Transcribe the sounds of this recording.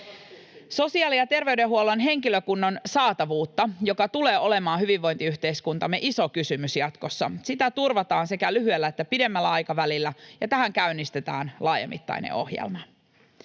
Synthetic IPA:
so̞siɑːlijɑt̪e̞rʋe̞yɥdeɦuolːonɦe̞ŋkiløkunːonsɑːt̪ɑʋuːt̪ːɑjo̞kɑt̪ule̞ːʔo̞le̞mɑːɦyʋiʋːo̞jnt̪iyht̪eiskunt̪ɑmːeʔiso̞kysymysjɑt̪ko̞sːɑ̰sit̪æt̪urʋɑt̪ɑːnsekælyɦyelːæet̪ːæpide̞mːælːæɑjkɑʋælilːæjɑt̪æɦæŋkæynːist̪e̞t̪æ̰ːnlɑːjḛmːḭt̪ːɑ̰jnḛo̞̰hjḛlmɑ

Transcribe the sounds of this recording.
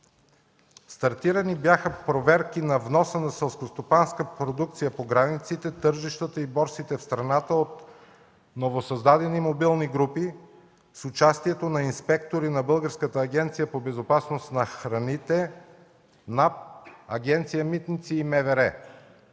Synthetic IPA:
st̪ɐɾt̪iɾənibjaxəpɾovɛɾkinɐvnɔsənɐsɛlˠskost̪opanskəpɾod̪ukt̪sijəpoɡɾanit̪sit̪ɛt̪ɤɾʒiʃt̪ət̪əibɔɾt̪sit̪ɛfst̪ɾɐnat̪əot̪ | novosɐzd̪ad̪ɛnimobilˠniɡɾupi | sʊt͡ʃast̪iɛt̪onɐinspɛkt̪oɾinɐbɤlˠɡəɾskət̪əːɡʲɛnt̪sijəpobɛzopasnost̪nɐxɾɐnit̪ɛ | napɐɡʲɛnt̪sijəmit̪nit̪siːmɛvɛɾɛ

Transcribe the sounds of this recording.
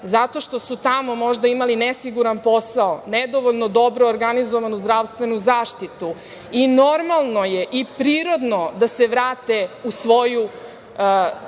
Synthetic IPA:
zat̪o̞ʃt̪o̞sut̪amo̞mo̞ʒd̪aimalinesiɡuɾanpo̞saoned̪o̞ʋoʎnod̪o̞bɾoːɾɡanizoʋanuzd̪ɾaʋst̪ʋe̞nuzaːʃt̪it̪u | inoɾmalˠno̞jeʔipɾiːɾo̞d̪no̞d̪aseʋɾaːt̪eusʋo̞ju

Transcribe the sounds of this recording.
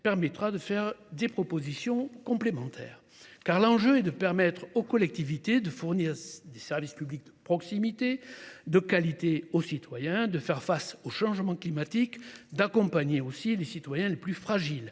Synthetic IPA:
pɛʁmɛt̪χad̪əfɛʁd̪epχɔpozisjɔ̃kɔ̃plemɑ̃t̪ʰɛ̰ːʁ | kaʁlɑ̃ʒøɛd̪əpɛʁmɛt̪χokɔlɛk̚t̪ivit̪ed̪əfuʁniʁd̪esɛʁvispyblik̚d̪əpχɔksimit̪ed̪əkalit̪eosit̪wajɛ̃d̪əfɛʁfasoʃɑ̃ʒmɑ̃klimat̪ikd̪akɔ̃paɲeosilesit̪wajɛ̃leplyfχaʒil

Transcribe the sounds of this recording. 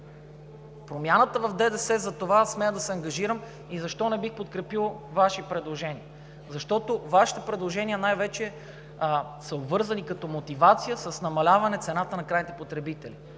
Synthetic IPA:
pɾomjanət̪əvɐfd̪ɛd̪ɛsɛzɐt̪ovasmɛjəd̪ɐsɛɐŋɡɐʒiɾəm | izɐʃt̪ɔnɛbixpot̪̚kɾɛpilˠvaʃipɾɛd̪lˠoʒɛniə | zɐʃt̪ɔt̪ovaʃi̥t̪ɛpɾɛd̪lˠoʒɛniənajvɛt͡ʃɛ | səobvɤɾzɐnikɐt̪ɔmot̪ivat̪sijəsəsnɐmɐlʲavɐnɛt̪sɛnat̪ənɐkɾajnit̪ɛpot̪ɾɛbit̪ɛli

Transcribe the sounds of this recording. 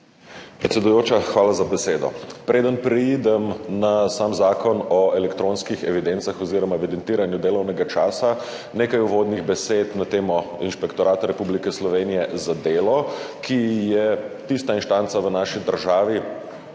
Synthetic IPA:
pɾɛt̪sʲɛd̪ujoːt͡ʃaxʋaːlazabɛseːd̪ɔ̰pɾʔeːd̪ənpɾid̪ɛmnasaːmzaːkɔnɔɛlɛkt̪ɾõːnskixɛʋid̪ent̪saxɔziːɾɔmaɛʋid̪ɛnt̪iːɾanjud̪eːlɔwnɛɡat͡ʃaːsa | neːkajuʋoːd̪niɣbɛseːt̪nat̪eːmɔinʃpɛkt̪ɔɾaːt̪aɾɛpublikɛslɔʋeːnijɛzad̪eːlɔkʰijɛt̪ist̪ainʃt̪ant̪saʋənaːʃid̪əɾʒaːʋi

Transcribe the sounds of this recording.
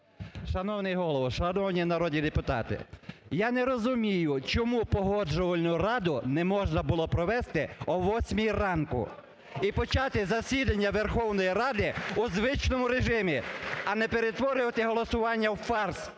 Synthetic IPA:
ʃɐnɔwnɪjɦɔlˠɔʋɔʃɐnɔwnʲinɐɾɔd̪ʲnʲid̪epʊt̪ɑ̰t̪ɪ̰jɑnɛɾɔzʊmʲijʊt͡ʃɔmupɔɦɔd͡ʒɔʋɐlʲnʊrɑd̪ʊnɛmɔʒnɐbʊlˠɔpɾɔʋɛst̪ɪɔʋɔsʲmʲijrɑnkʊ̰ | ipɔt͡ʃɑt̪ɪzɐsʲid̪ɐnʲːɐʋerxɔwnɔjirɑd̪ɪʊzʋɪt͡ʃnɔmʊɾeʒɪmʲiɐnɛpeɾet̪ʋɔɾɪʋɐt̪ɪɦɔlˠɔsʊʋɑnʲːɐwfɑrs

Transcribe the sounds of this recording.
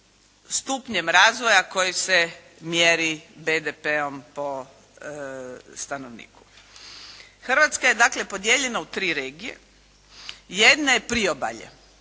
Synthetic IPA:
st̪upɲe̞mɾaːzʋo̞jako̞jise̞ | mjeɾibed̪epeo̞mpo̞ | st̪anoʋnḭːku̥ | xrʋat̪skaje̞d̪akle̞po̞d̪je̞ʎenaut̪ɾiːɾeːɡijḛ | jed̪naje̞pɾioba̰ʎḛ

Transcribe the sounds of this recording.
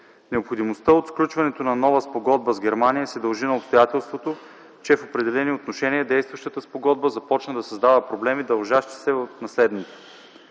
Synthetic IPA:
nɛopxod̪imost̪əot̪sklʲut͡ʃvɐnɛt̪onɐnɔvəspoɡɔd̪̚bəzɡʲɛɾmanijəsɛd̪ɐlˠʒinɐopst̪ojat̪ɛlˠst̪vot̪o | t͡ʃɛfopɾɛd̪ɛlɛniot̪noʃɛniəd̪ɛjst̪vɐʃt̪ət̪əspoɡɔd̪̚bəzɐpɔt͡ʃnəd̪ɐsɐzd̪avəpɾoblɛmid̪ɐlˠʒaʃt̪i̥sɛot̪nɐslɛd̪nit̪sɛ̥

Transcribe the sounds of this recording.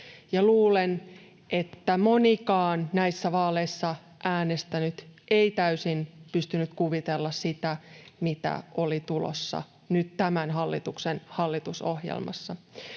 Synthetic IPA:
jɑluːlen | ʔet̪ːæmonikɑːnnæisːæʋɑːleisːɑ | ʔæːnest̪ænyt̪ʔeit̪æysinpyst̪ynyt̪kuʋit̪elːɑssit̪æmit̪æ̰ʔolit̪ulo̰sːɑ̰ | nyt̪t̪æmænɦɑlːit̪uksenhɑlːit̪uso̰hjḛlmɑ̰sːɑ

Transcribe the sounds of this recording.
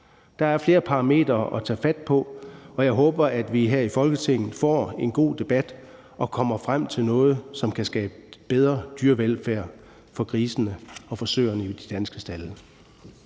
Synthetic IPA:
d̥ɑ̈æɐfle̝ːɐpʰɑ̈ʁɑ̈me̝̰ːd̥ɐʔɒt͡sʰɛ̰ːfæd̥̚pʰɒ̽ɒ̽jɑ̈ɪɦɔ̽ːb̥ɐæd̥ʋiɦæɐ̰ifɒ̽lɡ̥ət͡sʰe̝ŋ̰n̩ˠfɒ̰ːe̝nɡ̥o̝̰ːd̥e̝b̥æd̥ | ʔɒ̽kʰɒ̽m̰ɐfʁam̰t͡sʰe̝lnɔ̽ːð̞̩ˠsɒ̽mkʰæsɡ̥ɛːb̥əb̥eðˠʁɐd̥yːɐʋelfæɐ̰ | fɒ̽kʰʁiːsn̩əɒ̽fɒ̽sø̰ɪɐnəid̥id̥ænsɡ̥əsd̥ælə

